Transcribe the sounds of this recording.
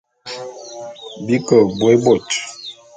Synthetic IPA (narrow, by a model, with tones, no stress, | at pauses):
bi˦kə˨bwbɔ˨t͡ʃ